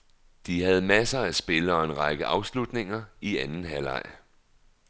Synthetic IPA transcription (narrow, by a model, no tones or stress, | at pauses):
d̥iɦæð̞̩ˠmæsɐæsb̥e̝ləɒ̽e̝nʁɑ̈ɡ̥əʔɑ̈ʊslud̥ne̝ŋɐiænn̩ɦælɑ̰̈ɪ̰